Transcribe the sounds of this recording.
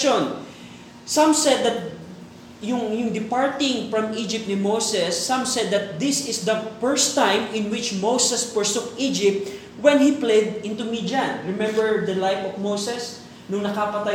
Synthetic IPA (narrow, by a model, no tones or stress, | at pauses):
on | sãmsɛd̪ːɐt̪̚ | jʊŋjʊŋd̪ɪpaɹt̪ɪ̃ŋfɹɐ̃mid͡ʒɪp̚t̪nɪmowsɛsːãmsɛd̪ːɐt̪̚d̪ɪsɪsd̪ɐpɛɹst̪ãjmɪ̃nwɪt͡ʃmowsɛspəɹsukid͡ʒɪp̚t̪̚ | wɛnhiplɛd̪ɪ̃nt̪ʊmid͡ʒanɹɪmɛ̃mbɛɹd̪ɐlajfɔfmowsɛs | nʊŋnɐkapɐt̪a